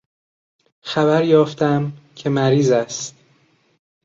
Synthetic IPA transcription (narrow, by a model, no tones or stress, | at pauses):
xæbæɾjɒːft̪æmcʰe̞mæɾiːzæst̪